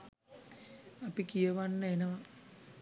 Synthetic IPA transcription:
apikijəʋanːəenəʋa

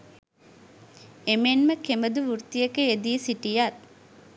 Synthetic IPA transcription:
emenməkeməd̪uʋurt̪ijəkeed̪isiʈijat̪̚

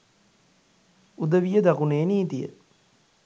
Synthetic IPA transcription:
ud̪ɐʋijəd̪ɐkuneːniːt̪ijə̰

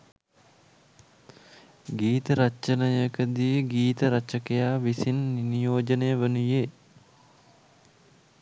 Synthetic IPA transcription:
ɡiːt̪əɾɐt͡ʃənəjəkəd̪ijəɡiːt̪əɾɐt͡ʃɐkejaːʋisinːinijoːd͡ʒɐnejəʋənujeː

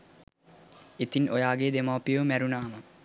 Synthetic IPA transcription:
et̪inʔojaːɡed̪emaːpijəʋmæɾunaːmə

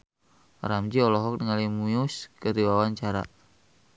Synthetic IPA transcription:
ɾamd͡ʒiɔlɔɦɔk̚nəŋalimujuskəɾiwawaɲt͡ʃaɾa̰

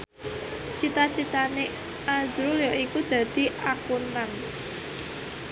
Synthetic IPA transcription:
t͡ʃit̪at͡ʃit̪ane | ʔazɾuljɔʔikud̪̥ä̤d̪̥i̤ʔakunan

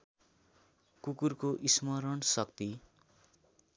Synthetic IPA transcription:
kukurkoʔismʌɾʌnsʌkt̪i

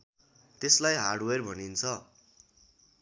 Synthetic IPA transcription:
t̪eslajɦaɽwerbʱʌnint͡sʰʌ

